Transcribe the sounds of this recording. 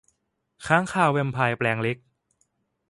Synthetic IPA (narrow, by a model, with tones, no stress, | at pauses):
kʰaː˦˥ŋkʰaː˨˩wːe˧mpʰaː˧jplɛː˧ŋle˦˥k̚